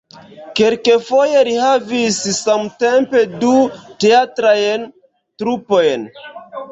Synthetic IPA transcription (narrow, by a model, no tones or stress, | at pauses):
kelkefo̞je̞ɾihavissamte̞mpe̞duteatɾajn | tɾupo̞jn